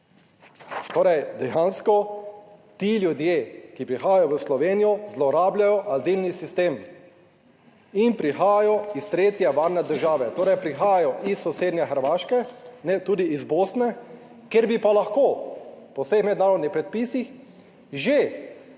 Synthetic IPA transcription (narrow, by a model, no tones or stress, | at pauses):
t̪oːɾɛjd̪ɛjanskɔ | t̪iljud̪jeːkipɾixaːjajɔʋəslɔʋeːnijɔzlɔɾaːbljajɔʔazilnisist̪eːm | inpɾixaːjajɔist̪ɾeːt̪jɛʋaːɾnɛd̪əɾʒaːʋɛt̪oːɾɛjpɾixaːjajɔʔisːɔseːd̪njɛxəɾʋaːʃkɛnɛt̪uːd̪iizboːsnɛ | kjeɾbipalaxkoːpɔwsexmɛd̪naːɾɔd̪nixpɾɛt̪̚piːsix | ʒe